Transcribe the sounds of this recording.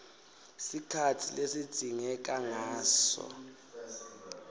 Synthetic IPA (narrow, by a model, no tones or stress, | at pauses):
sikʰatʰilesid̥ʱiŋɛk̬aŋaːsɔ̰